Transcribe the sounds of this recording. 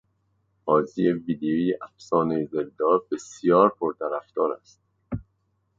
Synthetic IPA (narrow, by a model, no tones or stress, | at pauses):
ɒːzijeviːd̪eiːʔæfsɒːnejzeɾd̪ɒːɾbesjɒːɾpʰoɾt̪ʰæɾæft̪ɒːɾæ̰st̪̚